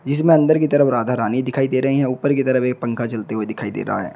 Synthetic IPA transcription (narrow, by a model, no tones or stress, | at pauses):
d͡ʒɪs̬mẽɐ̃nd̪əɾkit̪ɐɾəfɾaːd̪ʱaːɾaːnid̪ɪkʰaːid̪eːɾɐɦiɦɛ̃uːpəɾkit̪ɐɾəfeːk̚pɐ̃ŋkʰat͡ʃɐlt̪eɦued̪ɪkʰaːid̪ḛːɾɐ̰ɦa̰ɦɛ̰ː